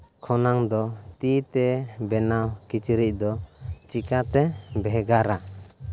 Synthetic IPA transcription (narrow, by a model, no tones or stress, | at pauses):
kʰɔnaŋd̪ɔt̪it̪ɛbɛnawkit͡ʃiɾic̚d̪ɔt͡ʃikat̪ɛbɛɦɡaɾa